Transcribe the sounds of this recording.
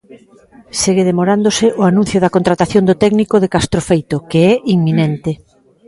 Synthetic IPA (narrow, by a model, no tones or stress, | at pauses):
seɣeðemoɾand̪osɪʔʊanũn̟θjʊðɐkont̪ɾat̪aθjõnd̪ʊt̪ɛɡnikoðekast̪ɾofejt̪okeɛʔiŋminɛnt̪ɪ